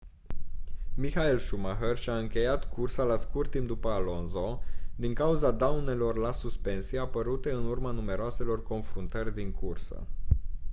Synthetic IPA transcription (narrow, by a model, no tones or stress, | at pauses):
mixaelʃumaxerʃʲaɨŋkʲe̞jat̪kʰursalaskurt̪ːimp̚d̪upəalo̞nzo̞d̪iŋkauzad̪awne̞lo̞rlasuspe̞nsieapəɾut̪e̞ɨnurmanume̞ɾoase̞lo̞rko̞nfɾunt̪ərʲd̪iŋkʰursə̰